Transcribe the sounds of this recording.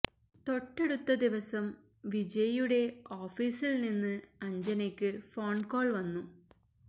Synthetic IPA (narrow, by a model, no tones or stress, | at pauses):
t̪o̞ʈːe̞ɽut̪ːɐd̪iʋɐsɐm | ʋid͡ʑɐjuɽe̞oːfiːsilninːɨɐɲd͡ʑɐnekʲːɨfo̞ːɳɖko̞ːɭʋɐnːu